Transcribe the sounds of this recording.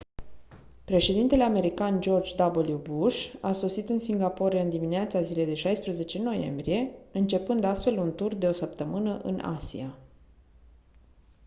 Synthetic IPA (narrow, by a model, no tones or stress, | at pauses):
pɾe̞ʃe̞d̪int̪e̞le̞ame̞ɾikand͡ʒo̞rd͡ʒd̪abolibuʃaso̞sit̪ɨnsiŋɡapo̞ɾeɨnd̪imineat̪sazile̞jd̪e̞ʃajspɾəze̞t͡ʃe̞no̞je̞̰mbɾije̞ɨnt͡ʃe̞pɨnd̪ast̪fe̞lunt̪urd̪e̞o̞səp̚t̪əmɨnəʔɨ̰nʔa̰sḭa